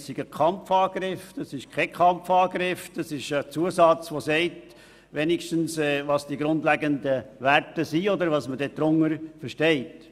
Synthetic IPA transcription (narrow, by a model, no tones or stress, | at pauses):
ssiɡ̥əkʰɑmfɑːɡ̥ɾɪfd̥ɑsɪʃkʰɛkʰχɑmfɑːɡɾɪfd̥̪ɑsɪʃət͡suəsɑt͡sʋosɛɪt | ʋɛnikʃtənsɛʋɑsd̥iɡɾʊnd̪lɛɡəndəʋæɾtəsiɔd̪əɾʋɑːsmədɛd̪ɾʊŋːəɾfəɾʃtɛɪt